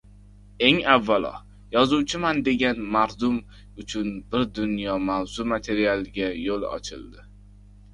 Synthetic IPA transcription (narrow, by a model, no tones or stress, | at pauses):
e̞ŋavːalɒ̰ | jɒzuwt͡ʃʰɪmand̪e̞ɡʲanmaɾd̪ʊm | ʊt͡ʃʰʊnbɪɾd̪ʊnjɒmawz̥ʊmat̪ʰe̞ɾialˠɡʲajolˠɒ̰t͡ʃʰɪ̰lˠd̪ɪ